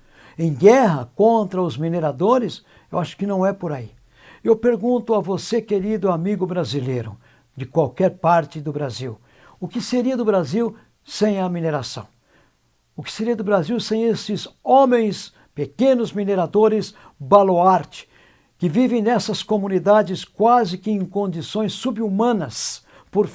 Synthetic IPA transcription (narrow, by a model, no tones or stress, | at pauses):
ẽj̃ɡɛɦɐkõnt̪ɾɐʊzmineɾad̪oɾɪs | ewaʃʊ̥kɪnɐ̃w̃ɛpoɾai | ewpeɾɡũnt̪ʊɐvosekeɾid̪ʊamiɡʊbɾazilejɾʊ̰ | d͡ʒɪkwawkɛɾpaɾt͡ʃɪd̪ʊbɾaziw | ʊkɪseɾiɐd̪ʊbɾaziw | sẽj̃ɐmineɾasɐ̰̃w̃ | ʊkɪ̥seɾiɐd̪ʊbɾaziwsẽj̃esɪzõmẽj̃s | pekẽnʊzmineɾad̪oɾɪs | baloaɾt͡ʃɪ̥ | kɪvivẽj̃nɛsɐskomũnid̪ad͡ʒɪskwazɪkɪẽj̃kõnd͡ʒisõj̃sːubumɐ̃nɐs | poɾ